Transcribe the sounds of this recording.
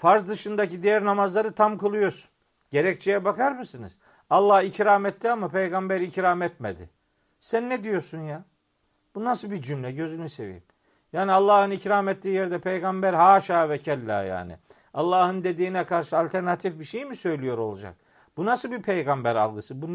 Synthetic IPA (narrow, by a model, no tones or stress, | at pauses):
faɾzd̪ɯʃɯnd̪acid̪ijæɾnamazlˠaɾɯt̪ʰamkɯlˠɯjo̞ɾsu̥n | ɟe̞ɾɛc̚t͡ʃʰejɛbakaɾmɯsɯnɯ̰z̥ | alˠːahicɾaːmɛt̪ːiamapʰejɡambæɾicɾaːmɛt̪med̪ɪ̰ | sænːɛd̪ijo̞ɾsunjaː | b̥unasɯbiɾd͡ʒymlʲɛɟø̞zynyse̞̰vḭm | jaːnialˠːaːhɯnicɾamɛt̪ːiːjɛɾd̪ɛpʰejɡambæɾɦaːʃaːvɛcʰælʲːæ̰ːja̰ːnɪ̰ | alˠːaːhɯnd̪e̞d̪iːnɛkʰaɾʃɯalʲt̪ʰæɾnat̪ʰifbiʃejmisø̞jlʲijo̞ɾo̞lˠud͡ʒa̰k̚ | b̥unasɯlˠbipʰejɡambæɾa̰lˠɡɯsɯbu